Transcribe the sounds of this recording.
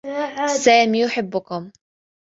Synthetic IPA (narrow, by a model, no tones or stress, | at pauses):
saːmiːjʊħɪbːʊkʊm